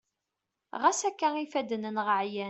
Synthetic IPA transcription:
ʁæsækːæifæd̪ənənʁəʕjæ

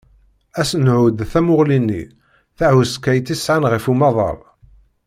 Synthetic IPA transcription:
æsənʕʊd̪θæmʊʁlinːḭ | θahuskːæjt̪isʕanʁəfumɑðˤɑ̰ɾˤ

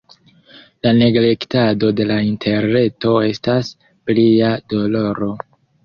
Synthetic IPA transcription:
lane̞ɡle̞ktado̞de̞laintʰe̞ɾne̞to̞e̞stas | pliado̞lo̞ɾo̞

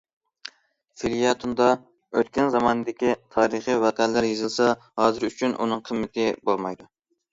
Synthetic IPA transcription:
filijɑt̪ʰund̪ɑ | øt̪kʲɛnzɑmɑːnɨd̪ɪkʲit̪ʰɑːɾəχəwæqælːæɾjezɪlˠsɑ | hɑːzɨɾyt͡ʃʰynʔṵnɨŋqʰəmːɪt̪ʰɪbolˠmɑjd̪u

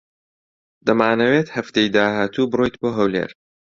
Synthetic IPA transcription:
d̪̥ɐmaːnɐweːt̪hɐft̪ejd̪aːhaːt̪ʰuːbɨɾojt̪boːɦɐwlḛːɾ

